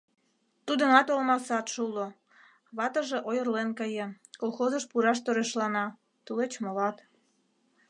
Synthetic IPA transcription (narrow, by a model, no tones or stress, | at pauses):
t̪ud̪ə̆nɑt̪olmɑsɑt̪ʃulo | βɑt̪əʒeʔojərlenkəjĕ | kolxozəʃpuɾɑʃt̪oɾeʃlɑnɑ | t̪ulet͡ɕmolɑt̪